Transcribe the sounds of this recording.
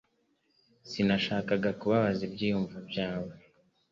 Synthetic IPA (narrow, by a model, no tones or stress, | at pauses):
sinaʃaːkaɡakuβaβazibɟiːjuɱvabjaːwe